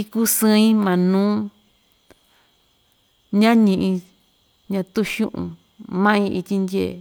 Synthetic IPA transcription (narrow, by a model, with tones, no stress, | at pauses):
i˧ku˦sɨ̃˦ĩ˦mã˨nũː˦ | ɲã˦ɲĩ˧ʔĩ˧ | ɲã˧t̪u˦ʃṵ̃˦ʔṵ̃˧˨ | mã˦ĩ˧ʔi˧t̪ʲi˧ndʲe˦˨